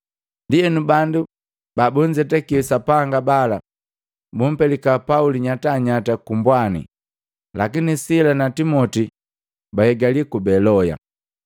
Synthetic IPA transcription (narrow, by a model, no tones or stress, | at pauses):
ndijɛnubandu | babuɲd͡ʒɛtɛkiusapaŋɡabala | bum̩pɛlikapauliɲataɲatakumbwanḭ | lakinisilanatimɔti | baɛɡalikubɛlɔja̰